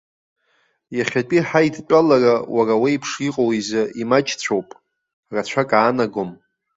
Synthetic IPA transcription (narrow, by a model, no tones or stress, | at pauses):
jaχʲat͡pʼiħaidt͡pʼalarawʔaraweipʰʂiqʼowizaʔimat͡ʃʼʰt͡sʷʰowpʼ | rat͡ɕʷʰakʼaːnaɡom